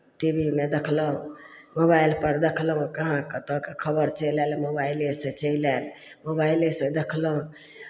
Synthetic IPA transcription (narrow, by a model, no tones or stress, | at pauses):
ʈibʱimed̪ekʰləɦũmobailpəɾd̪ekʰləɦũkəɦãkət̪okekʰəbəɾt͡ʃəilɛlmobaileset͡ʃəilɛl | mobailesed̪ekʰləɦũ